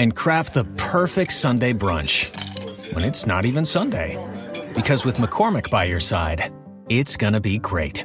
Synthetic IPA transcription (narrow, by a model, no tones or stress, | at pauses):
ɨ̃nkʰɹ̥æf̚ðəpʰɜ˞fɪk̚tsʌ̃ndeɪbɹʌ̰̃nt͡ʃ | wʔə̰̃nɨtsnə̰ɾivɨ̃nsʌ̃ndeɪb̥ɨkʰʌzwɨðməkʰɔɹmɨk̚b̥aɪjə˞saɪɾ | ɪtsɡ̥ʌñɨbiɡɹeɪt̚